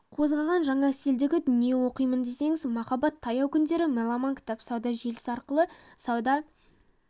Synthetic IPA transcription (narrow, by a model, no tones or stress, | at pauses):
qʰo̞zʁɑʁɑnʒɑɴɑst̪ɪld̪ɪɡʲɪd̪ʏnije̞wo̞qəjmənd̪e̞se̞ŋɪzmɑχɑbɑt̪ʰːɑjɑwkʲʰʏnd̪e̞ɾɪmelˠɑmɑŋkʲʰt̪ɑpsɑwd̪ɑʒe̞lɪ̥sɑɾqəlˠə | sɑwd̪ɑ